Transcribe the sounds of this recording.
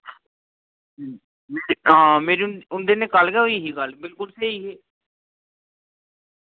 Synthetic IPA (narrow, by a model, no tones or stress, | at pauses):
meːiɦãːmeːɾinʊnd̪eːneːkəlkɛːɦoiːɦiːkəlbɪlkʊlseɦiːɦeː